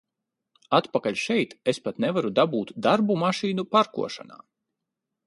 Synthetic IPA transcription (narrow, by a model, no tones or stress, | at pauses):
at̪pakalʲʃɛjt̪espat̪nɛvaɾud̪abuːt̪d̪aɾbumaʃiːnupaɾkṵɔʃa̰na̰ː